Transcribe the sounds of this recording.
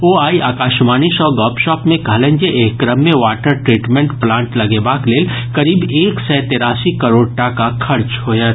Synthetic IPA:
oːaːiʔaːkaːʃmaːniʃɔːɡɔːpʃɔːpmẽkɐɦlẽːnd͡ʒeʔeːkɾəmːẽʋaːʈəɾʈɾiːʈmẽɳʈplãːɳʈlɐɡeːbaːkleːl | kɐɾiːbeːksɛːt̪eːɾaːsikɐɾoːɽ̚ʈakakʰɐɾt͡ʃɦoːja

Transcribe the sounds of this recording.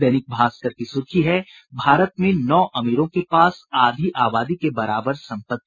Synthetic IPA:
ɛːnɪk̚bʱaːsk̪əɾkisʊt͡ʃiɦɛ | bʱaːɾət̪mẽnɔːʔɐmiːɾõkepaːsaːd̪ʱiʔaːbaːd̪ikebɐɾaːbəɾsɐ̃mpət̪̚ː

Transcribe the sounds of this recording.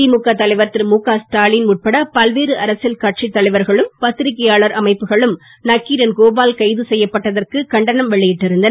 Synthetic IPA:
imukːat̪ːɐlɐɪʋɐɾt̪ːɪɾmuːkːaːsʈaːlinmʊʈ̚pɐɽɐpɐlʋeːɾɯʔɐɾɐsɪlkɐʈ̚t͡ʃit̪ːɐlɐɪʋɐɾɣɐɭɯmpɐt̪ːɪɾɪkːɐjaːɭɐɾɐmɐɪpːɯɣɐɭɯm | nɐkːiːɾɐnkoːbaːlkɐɪðɯsɛjːɐpːɐʈːɐðɐrkɯkɐɳɖɐnɐmʋɛɭːɪjɪʈːɪɾɯnd̪ɐn

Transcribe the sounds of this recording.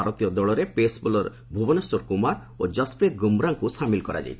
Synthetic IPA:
aɾɔt̪ijɔd̪ɔɭɔɾepesbulɔɾ | bʱubɔnesɔɾkumaɾ | od͡ʒɔspɾet̪̚ɡumɾaŋkusamilkɔɾa̰d͡ʒa̰j

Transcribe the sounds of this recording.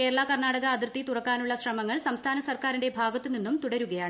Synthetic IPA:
ke̞ːɾɐɭakɐrɳaːɽɐɣɐːd̪irt̪ːit̪urɐkːaːnuɭːɐɕrɐmɐŋːɐɭsɐmst̪ʰaːnɐsɐrkaːɾinde̞bʱaːɡɐt̪ːɨninːumt̪uɽɐɾuɣɐjaːɳɨ

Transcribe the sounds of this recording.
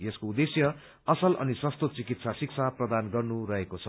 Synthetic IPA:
jeskoud̪esjʌ | ʌsʌlʔʌ̰nisʌ̃st̪ot̪̚t͡sikit̪sasiksʰaprʌd̪anɡʌrnuɾʌɦekot͡sʰʌ

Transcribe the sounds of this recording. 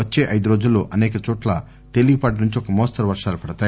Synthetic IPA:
ʋɐt͡ʃːeːʔɐjd̪uɾo̞ːd͡ʒulːoːʔɐnɛːkɐt͡ʃɔːʈlɐ | t̪e̞liɡpɐːʈ̬inuɲt͡ʃiɔkɐmoːstɐɾʋɐɾʂaːlupɐɽɐt̪aː

